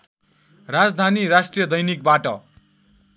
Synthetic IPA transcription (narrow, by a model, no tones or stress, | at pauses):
rad͡zd̪ʱaniɾasʈrijʌd̪ʌjnik̚baʈʌ